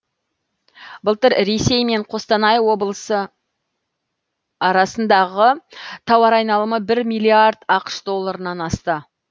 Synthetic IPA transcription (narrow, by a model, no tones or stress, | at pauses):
bəlˠt̪əɾɾe̞se̞jme̞ɴqʰo̞st̪ɑnɑjwo̞blˠəsə | ɑɾɑsənd̪ɑʁət̪ʰɑwɑɾɑjnɑlˠəməbɪɾmijlʲːiaɾd̪ɑqə̥ʃd̪o̞lˠːaɾənɑnɑst̪ə